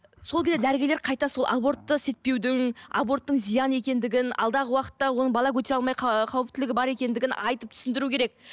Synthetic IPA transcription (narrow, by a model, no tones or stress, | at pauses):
solˠkʲezed̪æɾɪɡʲeleɾqʰɑjt̪ɑso̞lˠʔa̰bo̞ɾt̪ːəse̞t̪̚pe̞wd̪ɪŋa̰bo̞rt̪ːəɴzijɑne̞kʲe̞nd̪ɪɡʲɪnɑ̰lˠd̪ɑʁəwɑqə̥t̪ːɑwo̞nəɴbɑlˠɑkʲʰɵt̪̬e̞ɾɑlˠmɑjqʰɑwəp̚t̪ɪlɪɡʲɪbɑɾe̞kʲe̞nd̪ɪɡʲɪnɑjt̪əp̚t̪ʰʏ̥sɪnd̪ɪɾukʲʰeɾe̞k̚